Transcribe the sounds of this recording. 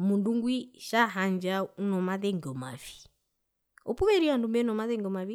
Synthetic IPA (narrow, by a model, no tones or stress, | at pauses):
munduŋɡwiʃaɦaɲd͡ʒaunɔmaðɛŋɡɔmavi̥ | ɔpuβɛɾiandumbɛnɔmaðɛŋɡɔmavi